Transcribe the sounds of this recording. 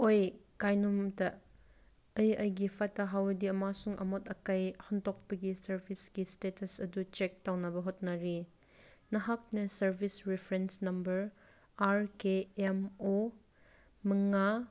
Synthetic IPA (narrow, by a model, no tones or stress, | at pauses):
ojkajnumtɐ | ɐjɐjɡipʰatɐɦawdiɐmasuŋʔɐ̰mɔtɐkɐjhɐntɔk̚pɐɡisɐɾbʱiskistetʰɐsɐdut͡ʃek̚tawnɐbɐɦɔt̚nɐɾi | nɐɦak̚nɐsɐɾbʱisɾipʰɾensnɐmbɐɾ | aɾkeemo | mɐŋa